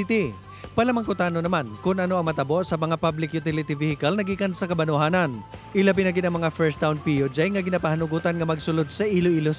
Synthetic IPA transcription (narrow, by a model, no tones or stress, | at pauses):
t̪i | pɐlamɐŋkʊt̪aːnonɐmankʊnʔɐnoʔɐŋmɐt̪ɐboʔsɐmɐŋapablɪkjʊt̪ɪlɪt̪ɪvihɪkɐlnɐɡiːkɐnsɐkɐbɐnʊɦaːnɐnʔɪlap̬ɪnɐɡɪd̪ɐŋmɐŋafɛɹst̪ːawnpijod͡ʒajŋɐɡɪnapɐhanʊɡuːt̪ɐnŋɐmɐɡsʊlod̪̚sɐʔiloʔilos